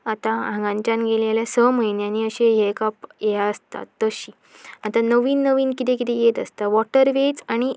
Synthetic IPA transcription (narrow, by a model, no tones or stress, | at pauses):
at̪aãŋɡãɲt͡ɕãnɡeleljasəməinjaniəɕejekapjeaəst̪a̰t̪ːəɕi | at̪anəʋiːnːəʋiːnkit̪ẽkit̪ejet̪əst̪aʋɔʈəɾʋet͡saɽ̃i